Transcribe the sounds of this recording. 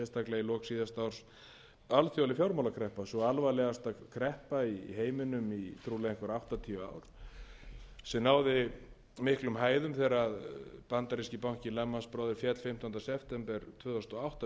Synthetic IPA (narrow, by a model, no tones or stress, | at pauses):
ɛst̪aklɛɣilɔksiːðast̪awɾ̥s | alθjɔalɪfjawɾmawlakʰɾɛhpasɔalvalɛɣast̪akʰɾɛhpaiɦeːjmɪnʏmit̪ʰɾuːlɛ̃ŋkvaɾawht̪at̪ʰiʏa̰ːwɾ̥ | sɛnaːwðɪ | mɪhklʏmɦaːjðʏmθɛɾaðpant̪aɾiscɪpawŋ̥cɪlɛmːanspɾɔːwðɪɾfjɛt̪l̥fɪm̥t̪ɔnasɛpʰt̪ɛmpɛɾt̪ʰvœːðɔst̪ɔawht̪a